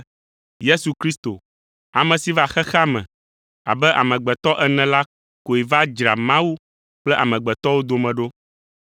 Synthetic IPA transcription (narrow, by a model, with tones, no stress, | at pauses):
je˦su˨kɾi˦st̪o̰˨ | a˨mɛ̃˨si˨˦va˦xɛ˦xa˦mɛ̰̃˨ | a̰˨bɛ˦ʔa̰˨mɛ̃˨ɡ͡bɛ˨t̪ɔ˦ʔɛ˦nɛ̃˨la˦ | ko˨e˨va˦d͡ʒɾa˨mã˦wu˦ | k͡plɛ˦ʔa˨mɛ̃˨ɡ͡bɛ˨t̪ɔ˦wo˦d̪o˨mɛ̃˨ɖo˦